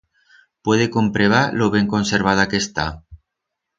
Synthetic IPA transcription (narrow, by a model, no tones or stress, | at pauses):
pweðekompɾeβ̞aloβeŋkonseɾβ̞aðakest̪a